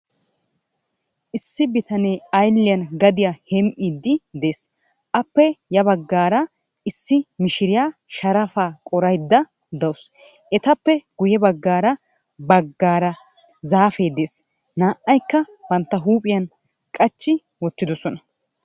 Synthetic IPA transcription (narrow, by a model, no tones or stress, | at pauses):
ʔɪsːɪbɪt̪ɐne̞ːɐjlːɪjɐnɡɐd̪ɪjahɛmʔiːd̪ːɪd̪e̞ːs | ʔɐpːɛjɐbɐɡːaːɾɐ | ɪsːɪmɪʃɪɾɪjaːʃɐɾɐfaːkʼɔɾɐjd̪ːɐ | d̪ɐwʊs | ʔɛt̪ɐpːɛɡ̥ʊjɛbɐɡːaːɾɐ | bɐɡːaːɾɐ | zaːfe̞ːd̪e̞ːs | naːʔɐjkːɐ | bɐnt̪ːɐɦuːpʼɪjɐn | kʼɐt͡ʃːɪ | wɔt̪ːɪd̪ɔsɔnɐ